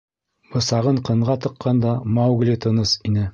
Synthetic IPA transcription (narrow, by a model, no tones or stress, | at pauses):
bɤ̆sɑʁɤɴqɤ̆ɴʁɑt̪ɤ̆qːɑnd̪ɑmɑwɡlʲit̪ɤ̆nɤsinɘ